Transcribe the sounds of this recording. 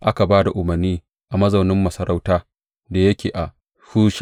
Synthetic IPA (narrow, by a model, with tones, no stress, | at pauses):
ʔa˦ka˨baː˦da˨ʔʊ˨mɐ˨rniː˦ | ʔa˨mɐ˦zɐ˨wnɪ˦mːɐ˨sɐ˦ɾa˦wtaː˦ | da˨jɐ˦kʲeː˨ʔa˨ | huː˦ʃ